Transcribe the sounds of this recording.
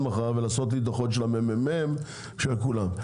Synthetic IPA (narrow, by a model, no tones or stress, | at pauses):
maχaʁvelaːso̞t̪̬lid̪aχotʃelamememem | ʃelkulam